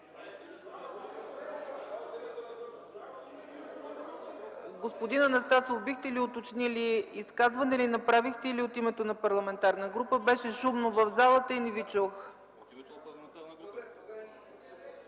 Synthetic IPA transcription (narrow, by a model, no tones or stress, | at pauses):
ɡospod̪inɐnɐst̪asovbixt̪ɛliot̪ot͡ʃniliiskazvɐnɛlinɐpɾavixt̪ɛiliot̪imɛt̪onɐpɐɾlˠɐmɛnt̪aɾnəɡɾupəbɛʃɛʃumnovəvzalˠət̪əinivit͡ʃox